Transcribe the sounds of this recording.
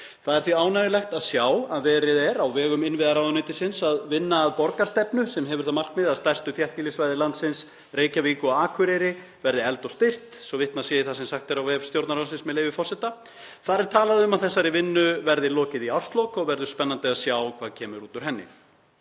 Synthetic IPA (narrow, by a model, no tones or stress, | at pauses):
θaðɛɾθviaːwnajɪlɛxt̪aðsjaːwaðvɛːɾɪðɛɾawvɛːɣʏmɪnvɪðaɾawðʏnet̪ɪsɪnsaðvɪnːaːðpɔɾkaɾst̪ɛpnʏsɛmɦɛvʏɾ̥θaðmar̥kmɪðaðst̪ajr̥st̪ʏθjɛht̪nɪlisvajðɪlant̪sɪns | reːjcaviːkʏaaːkʰʏɾejɾɪ | vɛɾðɪɛl̪t̪ɔɣst̪ɪr̥t̪sɔvɪht̪nasjɛːɪθasɛmsaxt̪ɛɾawvɛːv̥st̪jowɾt̪naɾasɪnsmɛðleːjvɪfɔr̥sɛt̪a | θaɾɪɾ̥t̪ʰaːlaðɪʏmaðθɛsːaɾivɪnːʏvɛɾðɪlɔːcɪðiawr̥st̪lɔwkɔɣvɛɾðʏspɛnːant̪ɪaðsjaːwkʰvaːðcʰɛːmʏɾuːt̪ʏɾ̥ɦɛnːɪ̰